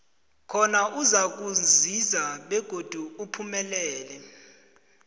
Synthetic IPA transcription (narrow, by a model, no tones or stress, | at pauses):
kʰɔnaʔuzak̬uzizaɓɛɡ̥ʱod̥ʱuupʰumɛlɛːlɛ